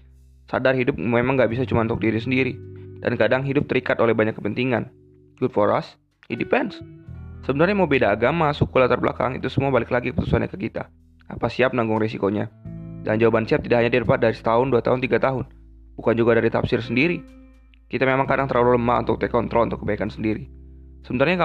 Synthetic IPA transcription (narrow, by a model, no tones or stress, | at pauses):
sa̰darhidʊp̚memaŋɡaʔbis̬at͡ʃumaut̪ʊk̚diɾis̬əndiɾida̰nkadaŋɦidʊp̚t̪əɾikat̪olɛhbaɲakːəpənt̪iŋan | ɡʊdfoɾa̰s | indipɛnsːəbənarɲamobedaːɡamasukulat̪ərbəla̰ka̰ŋḭt̪usəmuabalɪklaɡikəpət̪u̥suanɲa̰kəkit̪a̰ | apasiap̚naŋɡʊŋresikoɲa̰daŋnd͡ʒaubansiap̚t̪idakɦaɲadiəɾpat̪̚daɾisə̥t̪aʊnduat̪aɦʊnt̪iɡat̪aɦʊn | bukand͡ʒuɡadaɾit̪a̰psɪrsəndiɾi | kit̪amemaŋkadaŋt̪əɾlaluləma̰ṵnt̪ʊk̚t̪ekɔnt̪ɾɔlunt̪ʊkːəbaikansəndiɾisəbənarɲaka